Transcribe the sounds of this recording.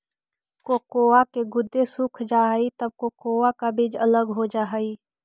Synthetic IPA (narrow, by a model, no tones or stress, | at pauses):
kokoːakeɡʊd̪ːesʊkʰd͡ʒaːɦit̪əb̚koːkoːakabɪd͡ʒələɡɦod͡ʒaːɦəiː